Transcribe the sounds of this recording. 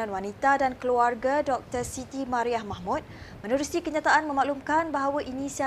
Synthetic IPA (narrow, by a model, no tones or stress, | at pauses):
anwanit̪adankəluarɡadɔk̚t̪ərsit̪imaɾiahmahmut̪̚mə̃nuɾusikəɲat̪aʔanmə̃maʔlumkanbaɦawaʔinisia